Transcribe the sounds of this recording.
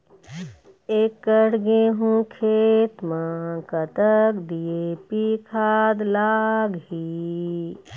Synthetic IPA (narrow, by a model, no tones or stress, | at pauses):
eːkːəɽɡẽɦũkʰeːt̪mãkət̪əkd̪iepikʰaːd̪laːɡɦi